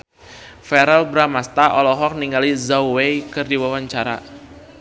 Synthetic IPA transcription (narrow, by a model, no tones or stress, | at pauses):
fɛɾɛlbɾamast̪aʔɔlɔɦɔk̚niŋɡalizawwejkɨrdiwawaɲt͡ʃaɾa̰